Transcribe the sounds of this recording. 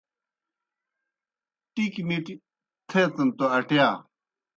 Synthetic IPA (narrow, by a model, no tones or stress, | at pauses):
ʈikiniʈi | t̪ʰeːt̪ɐnt̪oɐʈjaː